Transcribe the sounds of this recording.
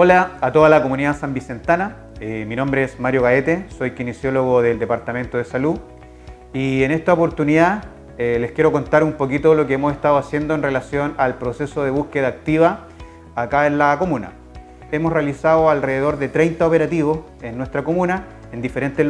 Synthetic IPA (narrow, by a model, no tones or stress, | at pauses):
olaːt̪oðalakomuniðasambise̞nt̪ana | emino̞mbɾeesmaɾjo̞ɣaet̪eso̞jkinisjo̞loɣoðeld̪epaɾt̪ame̞nt̪oð̞esalu | ienest̪aopo̞ɾt̪uniða | eleskʲjeɾo̞ko̞nt̪aɾumpo̞kit̪olo̞keemoseht̪aðoasje̞nd̪oenre̞lasjo̞nalpɾo̞se̞soðe̞βuskeðaːk̚t̪iβaː | kaenlako̞muna̰ | emosrealisaðoalreðeðo̞ɾðet̪ɾejnt̪aope̞ɾat̪iβos | enːwe̞st̪ɾako̞muna | end̪ifeɾe̞nt̪e